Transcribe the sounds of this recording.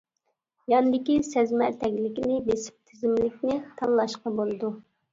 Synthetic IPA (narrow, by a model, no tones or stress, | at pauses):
jɑnɨd̪ɪkʲisɛzmæɾt̪ʰɛkʲlɪkʲinɪbesɪ̥p̚t̪ʰɪzɪmlɪkʲnɪt̪ʰɑllˠɑʃqɑbolˠɨd̪u